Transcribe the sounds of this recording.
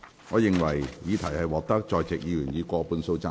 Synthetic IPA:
ŋɔː˨˧jɪ˨ŋwɐ˨˩jjiː˨˧t̪ʰɐ˨˩jhɐ˨jwɔː˨˩k̚t̪ɐ˥k̚t͡sɔː˨˧jt͡sɪ˨k̚jiː˨˧jyː˨˩njiː˨˧kʷɔː˧puː˨˧nso˧wt͡sɐ˥

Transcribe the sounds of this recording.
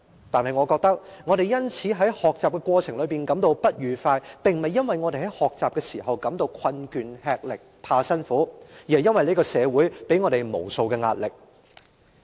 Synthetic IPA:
t̪aː˨nhɐ˨jŋɔː˨˧kɔː˧k̚t̪ɐ˥k̚ŋɔː˨˧ɾe˨jjɐ˥nt͡sʰiː˨˥ɦɐ˨˥jhɔː˨k̚t͡saː˨p̚kɛː˧kʷwɔː˧t͡sʰɪ˨˩ŋlɵ˨˧ɥpiː˨nkɐ˨˥mt̪o˧wpɐ˥t̚jyː˨˧faː˧jpɪ˨ŋmɐ˨jːɐ˥nwɐ˨jŋɔː˨˧t̪e˨jhɦɐ˨˥jhɔː˨k̚t͡saː˨p̚kɛː˧siː˨˩ɦɐ˨wkɐ˨˥mt̪o˧wkʰɐ˧nkyː˨nhɛː˧k̚lɪ˨k̚pʰaː˧sɐ˥nfuː˨˥ji˨hɐ˨jɐ˥nwɐ˨jle˥kɔː˧sɛː˨˧wuː˨˥jpe˨˥jŋɔː˨˧ɾe˨˩jmo̰˨˩wso˧wkɛː˧ŋa̰ː˧t̚lɪ˨k̚

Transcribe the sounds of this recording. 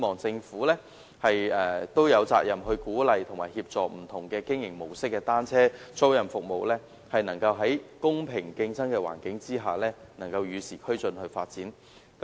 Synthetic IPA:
mɔː˨˩ŋt͡sɪ˧ŋfuː˨˥lɛː˥ | hɐ˨jɛː˨˧t̪o˥wjɐ˨˧wt͡sa̰ː˧k̚jɐ˨mɦɵ˧ɥkuː˨˥lɐ˨jt̪ʰʊ˨˩ŋmaː˨˩jhiː˧p̚t͡sɔː˨k̚m̩˨˩t̪ʰʊ˨˩ŋkɛː˧kɪ˥ŋjɪ˨˩ŋmo˨˩wsɪ˥k̚ːɛː˧t̪aː˥nt͡sʰɛː˥t͡so˥wjɐ˨˩nfʊ˨k̚mo˨wlɛː˥ | hɐ˨jnɐ˨˩ŋkɐ˧wɦɐ˨˥jkʊ˥ŋpʰɪ˨˩ŋkɪ˧ŋt͡sɐ˥nkɛː˧wa̰ː˨˩nkɪ˨˥ŋt͡siː˥ɦaː˨˩lɛː˥nɐ˨˩ŋkɐ˧wjyː˨˧siː˨˩kʰɵ˥ɥt͡sɵ˨˧nhɵ˧ɥfaː˧t̚t͡siː˨˥n | k

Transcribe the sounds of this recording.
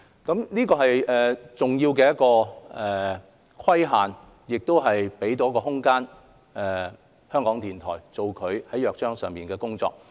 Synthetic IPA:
kɐ˨˥mniː˥kɔː˧ɦɐ˨jɛː˨˩t͡sʊ˨ŋjiː˧wkɛː˧jɐ˥t̚kɔː˧ɛː˨ | kʰwɐ˥jɦaː˨n | jɪ˨k̚t̪o˥wɦɐ˨jpe˨˥jt̪̬o˨˧wkɔː˧ɦʊ˥ŋkaː˥n | ɛː˨ | hœː˥ŋkɔː˨˥ŋt̪ʰiː˨˩nt̪ʰɔː˨˩jt͡so˨wkʰɵ˨˧ɥhɐ˨˥jœː˨k̚t͡ʃœː˥ŋsœː˨ŋpiː˨nkɛː˧kʊ˥ŋt͡sɔ̰ː˧k̚

